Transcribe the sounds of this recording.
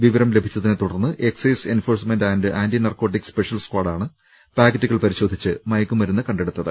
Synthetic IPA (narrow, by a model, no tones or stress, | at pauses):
ʋiʋɐɾɐmle̞bʱit͡ɕːɐðinet̪uɽɐrnːɨʔekseːse̞nfo̞ːrsmendaːndɨʔaːnɖinɐrko̞ːʈ̬ːikspeʂijɐlskwaːɽaːɳɨ | paːɡɐʈːɨɣɐɭpɐɾiɕo̞ːd̪ʱit͡ɕːɨmɐjkːɨmʋɐɾunːɨkɐɳɖe̞ɽut̪ːɐðɨ